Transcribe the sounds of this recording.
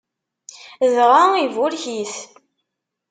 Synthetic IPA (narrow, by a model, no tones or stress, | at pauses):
zʁaivʊlçiθ